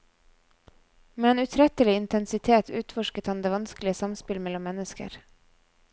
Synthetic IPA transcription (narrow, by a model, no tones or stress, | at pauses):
meːeːnʉːt̪ʰɾɛt̪əlɪɪnt̪ʰɛnsɪt̪ʰeːt̪ʰʉːt̪fɔʃkət̪hɑnd̪eːʋɑnsklɪəsɑmspɪlmɛlɔmːɛnəskə̰ɾ